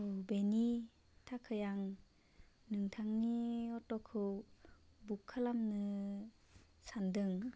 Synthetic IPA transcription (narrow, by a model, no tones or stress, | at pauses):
wbeni | tʰakʰɯjaŋ | nɯŋtʰaŋniɔtɔkʰɯw | bukʰːalamnɯ | sandɯŋ